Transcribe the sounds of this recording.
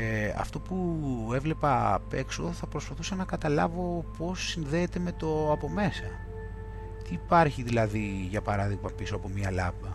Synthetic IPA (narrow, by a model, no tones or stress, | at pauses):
ɐ̰ft̪o̞pue̞vle̞pɐ̰pe̞ksoðoθɐpɾo̞spɐθusɐnɐkɐt̪ɐlɐvo̞po̞sːinðeːt̪e̞me̞t̪o̞ɐpo̞me̞sɐ | t̪iːpɐɾçiðilɐðiʝɐpɐɾɐðiɣmɐpisoɐpo̞miɐlɐpɐ